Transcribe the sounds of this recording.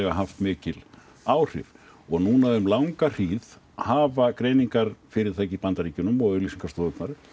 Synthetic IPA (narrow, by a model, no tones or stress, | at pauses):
ɛvaɦaft̪mɪːcɪl | aːwr̥ɪ̰v | ɔɣnuːnaʏmlawŋkar̥iːð | haːvakɾeːjniŋkaɾ̥fɪɾɪɾ̥θacipant̪aɾiːcʏnʏmɔɣʏlisiŋkast̪oːðʏt̪naɾ